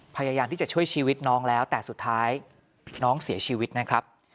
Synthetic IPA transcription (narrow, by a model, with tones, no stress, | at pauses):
pʰa˧jaː˧jaː˧mt̪ʰiː˥˩a˨˩t͡ɕʰu˥˩əjt͡ɕʰiː˧wi˦˥t̪̚nɔː˦˥ŋlɛː˦˥wt̪ɛː˨˩su˨˩t̪ʰːaː˦˥j | nɔː˦˥ŋsi˩˦ɐt͡ɕʰiː˧wi˦˥t̪̚na˦˥kʰɾa˦˥p̚